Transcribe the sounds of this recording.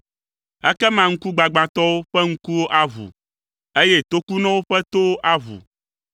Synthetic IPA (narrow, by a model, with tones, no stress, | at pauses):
ɛ˦kɛ˦mã˦ŋ̩˦ku˦ɡ͡ba˨ɡ͡bã˨t̪ɔ˦wo˦ɸɛ˦ŋ̩˦ku˦wo˦ʔa˦vṵ˨ | e˦je˦t̪o˦ku˦nɔ̃˦wo˦ɸɛ˦t̪o˦ʔa˦vṵ˨